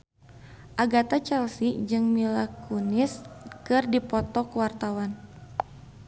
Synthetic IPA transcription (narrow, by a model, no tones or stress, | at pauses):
ʔaɡat̪at͡ʃɛlsid͡ʒɨŋmilakuniskɨrdipɔt̪ɔkwart̪awan